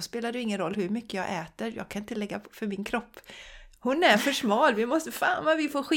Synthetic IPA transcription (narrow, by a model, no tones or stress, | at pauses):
speːlad̪jɪŋːənɾɔlːhɵɾmʏkːəjɑːɡʔɛːt̪əɾjɑ̰ːɡ̚kʰanɪnt̪əlɛɡːafœɾmɪnkʰɾɔpːhʊnæɾfœʂmɑːlvɪmɔst̪əfaːnvavɪfoːɾɧɪ